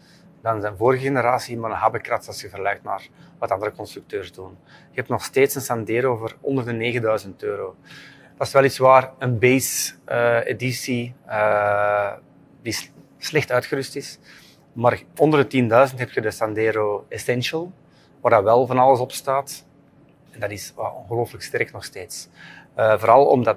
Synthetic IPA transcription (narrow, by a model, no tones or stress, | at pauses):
dɑnzɛnvoːɾəɣəɣenəɾaːsimənənɦabəkratsɑsxəvərlɛɥtna̰ːrʋɑtɑndəɾəkɔnst̪ɾyk̚tøːrzdunɪkəɦɛptnɔxsteːtsənsɑndeːɾoːvoːrɔ̰ndərdəneːɣəndœɥzəntøːɾoː | d̥ɑɪsʋɛlˠitsʋaːrənbejsəedisiə | di | slɛxtœɥtxəɾʏstɪs | maːrɔndərdətindœɥzəntɦɛp̚txədəsɑndɛːɾoːɛsɛnʃəlˠ | ʋaːrdɑwɛlˠvɑnɑlˠəsɔpstaːt | ɛndɑdɪsa̰ɔnɣəloːfləkstɛrknɔxsteːtsəvoːɾɑlˠɔ̰mdɑt